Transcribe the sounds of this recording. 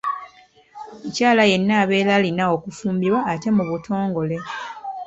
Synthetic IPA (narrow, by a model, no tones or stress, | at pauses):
ecaːlaje̞nːaːβe̞ːlalinaokufuːmbiβwaːte̞muβutʰo̞ːŋɡo̞le̞